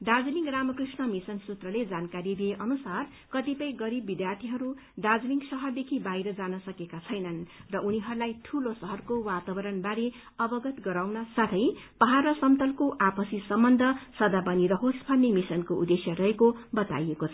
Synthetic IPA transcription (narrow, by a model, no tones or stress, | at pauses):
ɖad͡zliŋɡramʌkrisnʌmisʌnsut̪rʌled͡zankaɾid̪ieʔʌnusar | kʌt̪ipʌjɡʌɾibːid̪jart̪ʰiɦʌɾu | ɖad͡zliŋɡsʌɦʌrd̪ekʰibajɾʌd͡zanʌsʌkekat͡sʰʌjnʌnrʌʔuniɦʌɾulajt̪ʰulosʌɦʌrkowat̪abʌɾʌnbaɾe | ʌbʌɡʌt̪ɡʌɾawnʌsat̪ʰʌjpʌɦaɾʌsʌmt̪ʌlkoʔapʌsisʌmbʌnd̪ʱʌsʌd̪abʌniɾʌɦospʰʌnːimisʌnkoud̪esjʌɾʌɦekobʌt̪a̰jekot͡sʰʌ